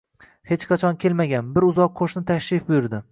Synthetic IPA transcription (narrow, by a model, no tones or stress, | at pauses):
he̞t͡ʃqʰɑt͡ʃʰɒnkʲʰe̞lmaɡʲanbɪɾʊzɒqʰːoʃnɪt̪ʰakʲʃɪfbʊjʊɾd̪ɪ